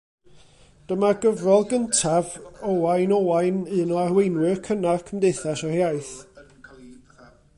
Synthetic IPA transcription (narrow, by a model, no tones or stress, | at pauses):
d̥əmaɡəvrɔlˠɡəntʰavɔwajnɔwajnɨnɔarwejnwɨkʰənav̥kʰəmdeɨθaʃɔhjajθ